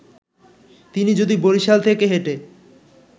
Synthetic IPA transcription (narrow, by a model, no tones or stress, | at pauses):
t̪inid͡ʑod̪iboɾiʃalt̪ʰekeɦeʈe